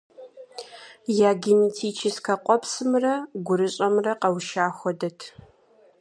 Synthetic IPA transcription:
jaːɡɪntʰiːt͡ʃʰɪskʰɐqʷʼɔpsɨmrɐɡʷʊɾɨɕʼɐmrɐqɐwʃaːxʷɔdɐtʰ

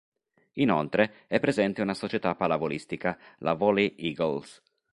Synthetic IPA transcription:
inɔlt̪ɾeɛpːɾezɛnt̪eunasot͡ʃɛt̪apːalavolist̪ikalʔa̰vɔliʔiɡɔls

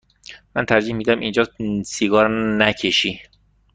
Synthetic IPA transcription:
mænt̪ʰæɾd͡ʒiːhmiːd̪æmʔind͡ʒɒːsiɡɒːɾnæcʰeʃiː

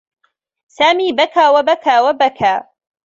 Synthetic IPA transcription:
saːmiːbɐkʰaːwɐbɐkʰaːwɐbɐkʰaː

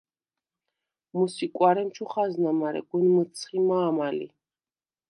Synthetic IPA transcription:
musikʼwaɾɛmt͡ʃʰuχaznamaɾɛ̰ɡ̥unmət̪sʰχimaːmalḭ

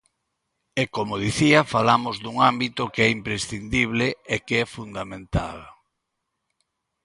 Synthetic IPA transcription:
ekomoð̞iθiafalamozðuŋambit̪ʊkeɛimpɾesθind̪iβ̞leekeɛfund̪amẽnt̪a̰l

